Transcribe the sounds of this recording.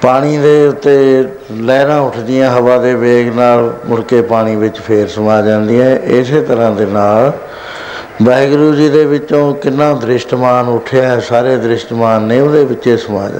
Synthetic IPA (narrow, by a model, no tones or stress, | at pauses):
paːɽ̃iːd̪eːʊt̪ːeː | lɛːɾãːʊʈʰd̪ɪjãːɦəʋaːd̪eːʋeːɡnaːlmʊɾkeːpaːɽ̃iːʋɪt͡ʃpʰeːɾsəmaːd͡ʒãːnd̪iːɛ̃ːʔɪseːt̪əɾãːd̪eːnaːl | bɛːɡɾuːd͡ʒiːd̪eːʋɪt͡ʃõːkɪnːãːd̪ɾɪʃʈmaːnʊʈʰeaːɛːsaːɾeːd̪ɾɪʃʈmaːnːẽːʊd̪eːʋɪt͡ʃːeːsəma̰ːd͡ʒ̰